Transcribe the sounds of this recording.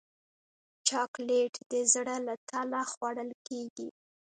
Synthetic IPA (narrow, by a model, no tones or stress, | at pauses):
t͡ʃɑkleʈd̪əzɽalat̪alaxwaɽəlkeɡḭ